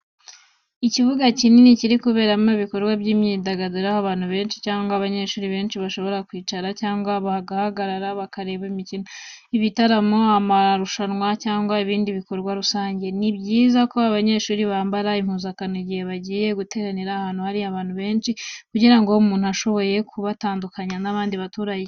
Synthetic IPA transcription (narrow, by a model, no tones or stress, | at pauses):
icivuɡacininiciɾikuβe̞ːɾamoβiko̞ɾɡwabɟiːmɲiːdaɡaduɾahoaβaːn̥huβe̞ːnʃi̥caːŋɡaːβaɲe̞ʃuːɾiβe̞ːnʃiβaʃo̞βo̞ɾakwiːt͡ʃaɾacaːŋɡwaβahɡahaɡaɾaɾaβakaɾe̞ːβimicinoiβitaɾamo̞amaɾuʃanŋwacaːŋɡwaiβiːndiβiko̞ɾɡwaɾusaːɲɟe̞nibɟiːzako̞aβaɲe̞ʃuːɾiβaːmbaɾaim̥huːzakanoiɟihe̞βaɟije̞ɡute̞ɾaneɾahaːn̥uhaɾiaβaːn̥huβe̞ːnʃikuɟiɾaŋɡo̞umuːn̥uaʃo̞βo̞je̞kʰuβataːndukaɲanaβaːndiβatuːɾaje